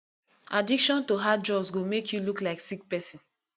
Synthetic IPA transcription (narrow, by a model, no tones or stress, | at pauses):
adikʃɔ̃ntoɦad͡ʒɔbsɡomekʰjuluklaɪksik̚pɛsɔ̃n